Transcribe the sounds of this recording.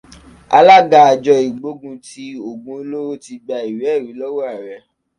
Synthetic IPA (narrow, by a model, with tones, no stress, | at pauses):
a̰˧la˦ɡa˧a˧d͡ʒɔ˧i˨ɡ͡bo˦ɡũ˧ti˧˦o˦˨ɡũ˧˦˧lo˦ɾo˦ti˧ɡ͡ba˧i˨wi˨˦ɛ˦˨ɾi˨˦lɔ˦wo˦a˦˨ɾɛ˨